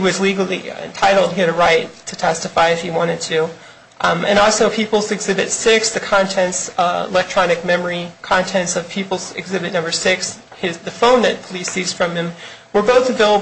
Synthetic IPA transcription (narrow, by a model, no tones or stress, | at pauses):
iwʌzliɡl̩ˠiɨ̰̃ntʰaɪɾl̩ˠd̚iɨɾɨɹaɪtʰɨtʰɛstɨfaɪɨfhiwɑ̃ɾ̃ɨd̚tʰʉ | ʔɨ̰̃ñɔlˠsoʊpʰipl̩ˠzɨɡzɪbɨtsɪksðɨkʰɑ̃ntʰɛ̃ntsɪ̰lɛk̚tʰɹ̥ɑnɨk̚mɛmə˞ikʰɑ̃ntʰɛ̃ntsʌv̥pʰipl̩ˠzɨ̰ɡzɪbɨtⁿnʌ̃mbə˞sɪks | hɪzðɨfõʊ̃nðɨt̚pʰəlisiz̥fɹʌ̃mɨ̃mwə˞boʊθɨveɪlˠə